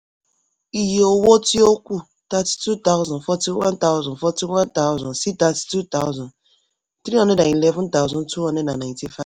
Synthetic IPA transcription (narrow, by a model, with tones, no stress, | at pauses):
i˨je˨o˨wo˦ti˦o˦kʷu˦˨ | ta˦ti̥˦tu˦ta˦ʊzɔ̃˨nfɔ˦ti˦wã˦nta˦ʊ˦zɔ̃˨nfɔ˦ti˦wã˦nta˦ʊ˦zɔ̃˨nsi˦ta˦ti̥˦tu˦ta˦ʊzɔ̃˨n | tɾi˦ɔ˨ne˦na˨i˨le˦vʊ̃˦nta˦ʊ˦zɔ̃˨ntu˦ɔ˨ne˦na˨na˨nti˨fa˦v